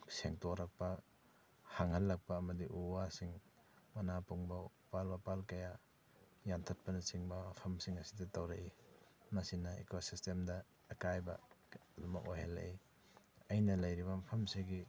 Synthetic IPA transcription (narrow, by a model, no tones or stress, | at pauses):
seŋtoɾɐk̚pɐ | haŋhɐlːɐk̚pɐːmɐdiʔuwasiŋ | mɐnapuŋbɐ | palbapalkɐja | jantʰɐt̚pɐnɐt͡ʃiŋbɐmɐpʰɐmsiŋɐsidɐtɐwɾɐʔimɐsinɐḛkosistemdɐ | ekajbɐlumɐkojɦelːɐ̰ʔi | ɐjnɐlɐjɾibɐmɐpʰɐmsiɡi